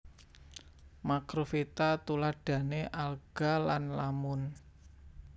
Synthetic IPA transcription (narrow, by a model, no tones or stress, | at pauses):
makɾofit̪at̪ulaɖ̥ä̤neʔalɡ̥a̤lanlamʊn